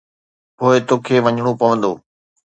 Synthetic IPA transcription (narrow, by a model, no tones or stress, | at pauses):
poːɪt̪oːkʰeːʋɐɲɽ̃opɐʋə̃nd̪oː